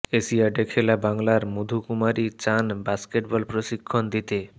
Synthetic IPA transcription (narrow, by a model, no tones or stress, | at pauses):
esiaɖekʰelabaŋlaɾmud̪ʱukumaɾit͡ɕanbaskeʈbɔlpɾoʃikʰːond̪it̪e